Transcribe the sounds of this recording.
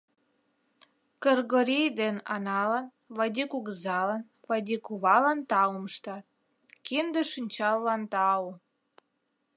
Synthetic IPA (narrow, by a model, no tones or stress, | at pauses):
kərɣoɾʲijd̪enɑ̰nɑlɑn | βɑd̪ʲikuɣəzɑlɑn | vɑd̪ʲikuβɑlɑnt̪ɑuməʃt̪ɑt̪̚ | kind̪eʃinʲt͡ɕɑlːɑnt̪ɑu